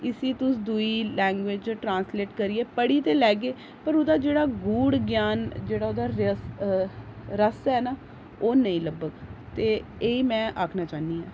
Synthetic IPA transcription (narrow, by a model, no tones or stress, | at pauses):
ɪsiːt̪ʊs̬d̪uiːlɛ̃ːŋɡʋeːd͡ʒt͡ʃʈɾãːnsleːʈkəɾieːpəɽiːt̪eːlɛːɡeː | pəɾod̪aːd͡ʒeːɽaːɡuːɽɡjaːnd͡ʒeːɽaːoːd̪aːɾəs | ɾəsɛːnaː | oːnəĩːləbəɡt̪eːeːiːmɛ̃ːʔaːkʰnaːt͡ʃaːniːaː